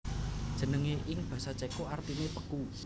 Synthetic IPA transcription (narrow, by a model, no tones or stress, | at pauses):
d̥ʒ̥ə̤nəŋeʔɪŋb̥ä̤sat͡ʃekoart̪inepəku